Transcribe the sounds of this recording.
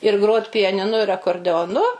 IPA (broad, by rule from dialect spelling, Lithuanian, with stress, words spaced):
ɪr ˈɡroːtʲ pʲɪjɛnʲɪˈnʊ ɪr ɐkoːrʲdʲɛoːˈnʊ